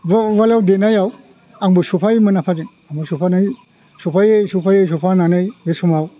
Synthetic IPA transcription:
balawdenajaw | aŋbɯsupʰajmɯnapʰazɯŋ | aŋbɯsupʰanaj | supʰajejsupʰajejs̬upʰananɯjbesumaw

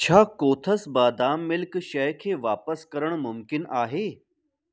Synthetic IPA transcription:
t͡ɕʰakoːt̪ʰəsbaːd̪aːmːilkɕəjkʰeʋaːpəskəɾəɳmʊmkɪnaːɦe

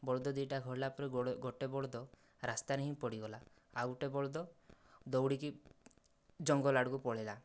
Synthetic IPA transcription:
bɔɭd̪ɔd̪iʈaɡʱɔɾlapɔɾeɡoʈebɔɭɔd̪ɔ | ɾast̪aneɦĩpɔɽiɡɔla | aɡuʈebɔɭd̪ɔd̪ɔwɽiki | d͡ʒɔŋɡɔlaɽkupɔɭ̤ela

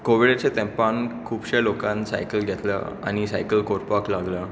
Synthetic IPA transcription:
koʋiɽat͡ɕet̪ẽmpankʰuːbɕelokãnsa̰jkəlɡʱɛt̪lə̰ | a̰ñisajkəlkoɾpaklaɡla

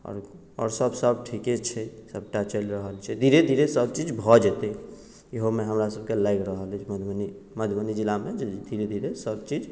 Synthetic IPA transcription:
ɔ̰ɾ | ɔ̰ːɾsəbsəbʈʰiket͡ʃʰɛsəb̚ʈat͡ʃəlɾəɦəlt͡ʃʰɛd̪ʱiɾed̪ʱiɾesəb̚t͡ʃid͡ʒbʱɔd͡ʒet̪ɛ | eɦomeɦəmɾasəb̚kelajkɾəɦəld͡ʒʰməd̪ʱni | məd̪ʱmənid͡ʒilamed͡ʒed̪ʱiɾed̪ʱiɾesəbt͡ʃid͡ʒ

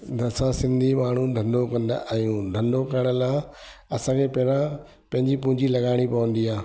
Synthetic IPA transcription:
d̪ʱɐsãsɪ̃nd̪ʱimaːɳ̤ũd̪ʱɐ̃nɖ̪okɐ̃nd̪̰aːɦjũd̪ʱɐndokɐɾɽ̃əlaːɐsãːkʰepɦɾã | pɐ̃ɦɪ̃ɲd͡ʑipʊ̃ɦɪ̃ɲd͡ʑilɐɡaːɪɽ̃ipɐʋə̃nd̪iaː

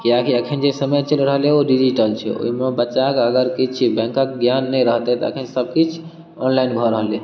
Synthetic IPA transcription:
kiakʰiəkʰind͡ʒesəməjt͡ʃəlɾəɦleoɖid͡ʒiʈəlt͡ʃʰɛ̰o̰ɦimebəːt͡ʃakəɡəɾkit͡ʃʰbɛ̃ŋkəkɡjanːɛɾəɦt̪ɛt̪ə̰kʰinsəb̚kit͡ʃʰ | ɔnlainɡʱɔɾəɦle

